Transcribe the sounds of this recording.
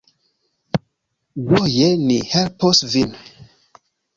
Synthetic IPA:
wɔjɛnihɛlpɔsvin

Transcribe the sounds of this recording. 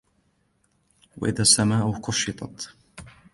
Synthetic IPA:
wa̰ʔɪðaːsːamaːʔʊhkʊʃɪt̪ˤɑ̰t̪

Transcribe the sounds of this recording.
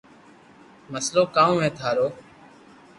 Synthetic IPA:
məsloːkaːũːʋẽːt̪ʰaːɾoː

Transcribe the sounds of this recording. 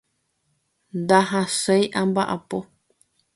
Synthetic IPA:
nd̪aɦãsejʔãmbaʔapo

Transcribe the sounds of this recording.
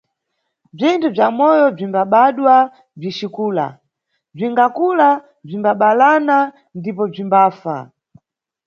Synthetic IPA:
b͡ʐintʰub͡ʐamɔjɔb͡ʐimbaɓaɗwa | b͡ʐit͡ʃikuːla̰ | b͡ʐiŋɡakula | b͡ʐimbaɓalana | ndipɔb͡ʐimbaːfa̰

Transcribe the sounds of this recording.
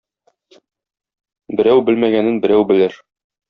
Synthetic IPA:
bɘ̆ɾæwbɘlmæɡænɘnbɘ̆ɾæwbɘ̆lɘɾ

